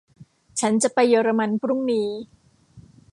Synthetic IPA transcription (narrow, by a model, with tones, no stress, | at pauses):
t͡ɕʰa˦˥nt͡ɕa˨˩ʔpa˧jːɔː˧ɾa˧ma˧npʰɾu˥˩ŋniː˧